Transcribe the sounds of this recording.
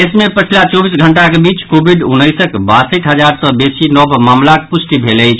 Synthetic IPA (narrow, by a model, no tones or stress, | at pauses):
esmepət͡ʃʰilat͡ʃɔbisɡʱəɳʈakebit͡ʃkobʱiɖunːəjsəkbasəʈɦəd͡ʒaɾsəbesinɔbmamlakepusʈibʱeləɪt͡ʃʰ